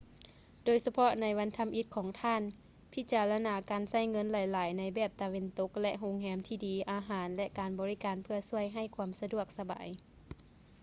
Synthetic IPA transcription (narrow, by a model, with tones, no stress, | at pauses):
doː˨˧˦jsa˧pʰɔ˧ʔna˧˥jʋa˧˥nt̪ʰa˧˥mʔi˧˥t̪̚kʰɔː˨˩˦ŋt̪ʰaː˧˥˨n | pʰi˧˥t͡ɕaː˨˩la˧naː˨˦kaː˨nsa˧˩˨jŋɤ˧˥˨nlaː˨˩jlaː˨˦jna˧˥jbɛː˧˩p̚t̪a˨ʋe˧˦nt̪o˧˥k̚lɛ˧ʔɦo˧˥ŋɦɛː˧˥mt̪ʰiː˧˩diː˨˦ʔaː˨˧ɦaː˨˦nlɛ˧ʔkaː˨˩nbɔː˨i˦˧˥kaː˨npʰɯ˧ɐsu˧˥˩əjɦa˧˩jkʰuː˧əmsa˧du˧˩ək̚sa˧ba̰ː˨˦j